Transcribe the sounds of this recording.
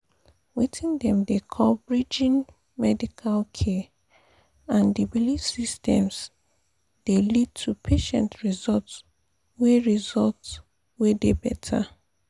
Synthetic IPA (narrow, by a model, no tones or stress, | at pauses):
witĩndɛ̃mdekʰɔlbɹid͡ʒĩn | mɛdikʰalkʰɛ | ãndibilid͡ʒsistʰɛ̰̃ms | d̥elid̚tʰupʰeʃɛ̰̃ntɹizɔlts | weɹizɔlts | wedebɛtʰa̰